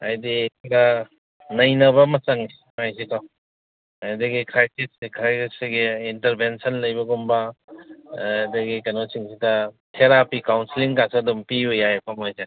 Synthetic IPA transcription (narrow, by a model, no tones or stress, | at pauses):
a̰jdida | nɐjnɐβɐmɐt͡ʃɐŋi | majsikaw | ajdɐɡikʰɾajsisikɾajsisiɡeintɐɾbensɐnlɐjbɐɡumba | dɐɡikanosiŋsidɐ | tʰeɾapikawnsiliŋkasadumpiujajpʰamojze